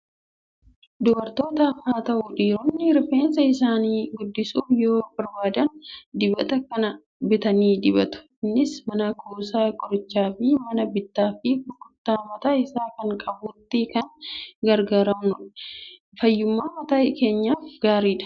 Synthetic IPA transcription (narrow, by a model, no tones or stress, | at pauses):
d̪ɔbɐɾt̪o̞ːt̪ɐːfaːt̪ɐʔʊᶑiːɾɔnːɪɾɪfe̞ːnsɐɪs̬aːniːɡʊd̪ːɪsuːfjoːbɐɾbaːd̪ɐnd̪ɪbɐ̰t̪ɐkɐnɐ | bɪt̪ɐniːd̪ɪbɐt̪ʊ̥ɪnːɪsmɐnakoːsaːkʼɔɾɪt͡ʃːaːfɪmɐnɐbɪt̪ːaːfɪbʊkʼːʊt̪ːaːmɐt̪aːɪsaːkɐŋkʼɐbʊt̪ːɪkɐŋɡɐɾɡaːɾɐmnʊᶑɐ | fɐjːʊmːaːmɐt̪aːke̞ːɲːaːfɡaːɾiːᶑɐ̥